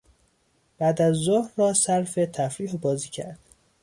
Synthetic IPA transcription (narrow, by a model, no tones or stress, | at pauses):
b̥æːd̪æzːohɾrɒːsæɾfet̪ʰæfɾiːhbɒːziːcʰæ̰ɾd̪̥